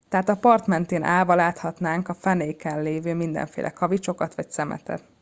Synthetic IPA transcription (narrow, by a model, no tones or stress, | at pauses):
t̪ɛɦaːt̪ɒpɒrt̪mɛnt̪eːnʔaːvɒlaːt̪hɒt̪naːŋkɒfɛneːkɛnleːvøːmind̪ɛ̰ɱfḛːlʔɛ̰kɒvit͡ʃo̞kɒt̪ʋɒcsɛmɛ̰t̪ɛ̰t̪